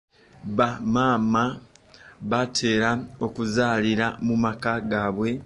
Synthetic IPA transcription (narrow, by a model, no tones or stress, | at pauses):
βamaːma | βatʰe̞ːɾao̞kuzaːliɾamumakaɡaːβwe̞